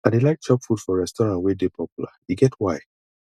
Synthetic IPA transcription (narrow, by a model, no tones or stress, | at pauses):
adelaɪk̚t͡ʃɔpfudfɔɹɛstɔɹãntwedepʰɔpjula̰iɡɛtʰwaɪ